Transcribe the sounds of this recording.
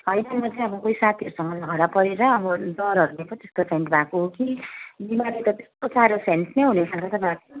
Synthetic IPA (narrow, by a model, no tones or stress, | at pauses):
ɦʌjnʌmʌt͡sʰʌ̃ʌbʌkoisat̪ʰiʌɾusʌŋɡʌlʌɡaɽapʌɾeɾʌːbʌd̪ʌɾɦʌɾulepʌt̪est̪opʰeɳʈbʱakoɦokibimaɾet̪ʌt̪e̥st̪osaɾosensnejɦunesʰanɾʌt̪ʌpãlk